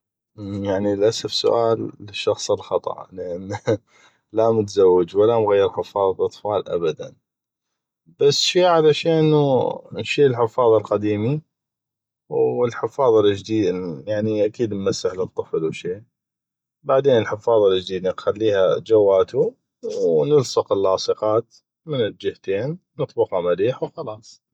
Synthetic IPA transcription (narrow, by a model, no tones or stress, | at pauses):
ʔjaʕniəlʔasafsʊ̰ʔaːlːɪʃːɑxsˤlxɑt̪ˤɑ̰ʔləʔanː | lamʊt̪zawːɪd͡ʒwalamɣajːɪɾħɪfːɑːðˤɑlʔɑt̪ˤfɑːlʔa̰bad̪a̰n | b̥asːʃiːʕalaʃeːnnʃiːlħɪfɑːðˤɑlqad̪iːmi | wɪlħɪfːɑːðˤɑld͡ʒd̪iːd̪jaʕniʔakiːd̪nmasːɪħlɨt̪ˤːɨflwʃiː | baʕd̪eːnəlħɪfɑːðˤɑld͡ʒd̪iːd̪nɪnxalːiːhad͡ʒawːaːt̪u | wnʊlsˤɑqɪlːɑːsˤɨqɑːt̪ | mɪnɪld͡ʒɪht̪eːnnɨt̪ˤbʊqhɑmaɾiːħwxɑlɑːsˤ